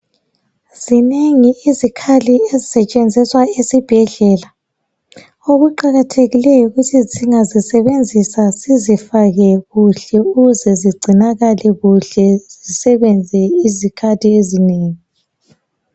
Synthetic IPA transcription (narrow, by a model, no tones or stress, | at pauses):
z̥ineŋiizikʰaliezisɛt͡ʃʼend͡zʱiswaesib̥ʱɛɮɛːla | oɣuǃaɣatʰeɣilɛjɔɣutʰiziŋazisɛβend͡zʱisasizifaɣɛɣuɬɛuɣuzɛziɡ͡ǀʱinaɣalɛɣuɬɛz̥isɛβɛnd͡zʱɛizikʰatʰʼiezineːŋi